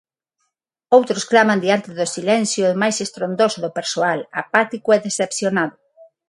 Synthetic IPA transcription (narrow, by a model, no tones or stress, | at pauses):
owt̪ɾosklamand̪iant̪eðʊsilɛnθjomajsest̪ɾond̪osoðopeɾsoalapat̪ikoɛðesepθjonaðʊ